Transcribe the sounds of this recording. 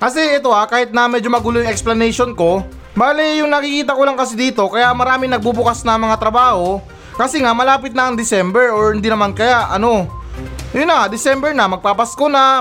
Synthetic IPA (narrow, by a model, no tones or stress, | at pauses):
kɐsɛʔɛt̪o̞ʔakaːhɪt̪̚nɐmɛd͡ʒomɐɡʊlojʊŋɛksplɐnɛjʃonko̞ | baːlɪjʊŋnɐkikiːt̪ɐko̞laŋkɐsɪd̪iːt̪o̞kɐjamɐɾaːmɪŋnɐɡ̚bubʊkasnɐmɐŋat̪ɾɐbaːho̞ | kɐsɛŋamɐlaːpɪt̪̚nɐɐŋd̪ɪsɛmbɛɹoɹhɪnd̪inɐmankɐjaʔʔɐno̞ | jʊnːɐad̪ɪsɛmbɛɹnɐmɐɡ̚papɐskonɐ